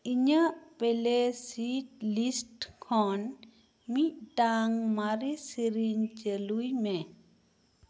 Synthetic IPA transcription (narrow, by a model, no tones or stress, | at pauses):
iɲaʔpelesiʈlisʈkʰɔn | miʔ̚ʈaŋmaɾisiɾiɲt͡ʃelujme